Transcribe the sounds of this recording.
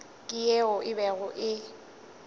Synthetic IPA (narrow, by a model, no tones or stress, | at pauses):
kʼɪjeʊʔɪbɛɣʊʔɪ